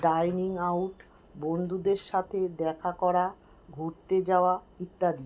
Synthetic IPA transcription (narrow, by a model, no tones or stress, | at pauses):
ɖajniŋawʈ | bond̪ʱud̪eɾʃat̪ʰed̪ɛkʰakɔɾa | ɡʱoɾt̪ed͡ʑaoa | it̪ːad̪i